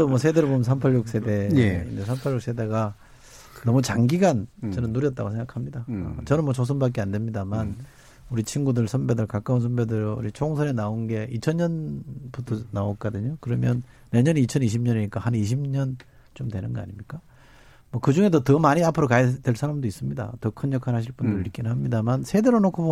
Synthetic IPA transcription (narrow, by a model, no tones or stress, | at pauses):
omwʌsʰe̞deɾɭbomnsʰampʰaʎjuk̚s͈e̞de̞ḭesʰampʰaʎːjuks͈ʰe̞de̞ɡa | nʌmut͡ɕaŋɡiɡant͡ɕʌnɯnːuɾjʌt̚t͈a̰ɡosʰeŋɡakʰamɲida̰t͡ɕʌnɯnmwʌt͡ɕʰos̬ʰɯmbak͈eandwe̞mɲidaman | uɾit͡ɕʰinɡudɯɭsʰʌnbe̞dɯɭkak͈aunsʰʌmbe̞dɯɾṵɾit͡ɕʰoŋsʰʌnenaonɡe̞ʔit͡ɕʰʌɲɲʌnbutʰʌnaok͈̚ʌdɯɲokɯɾʌmjʌnː | e̞ɲʌnit͡ɕʰʌniɕ̬ʰimɲʌniɲik͈ahaniɕ̬ʰimɲʌn | t͡ɕomdwe̞nɯnɡʌa̰ɲimɲik͈a | mwʌkɯd͡ʑuŋe̞d̬ʌtʌmaɲiapʰɯɾokajedwe̞ɭsʰaɾamdois͈ɯmɲida̰tʌkʰɯnjʌkʰanɦaɕ̬ʰiɭp͈undɯɾɯik͈inɦamɲidamansʰe̞deɾonokʰobo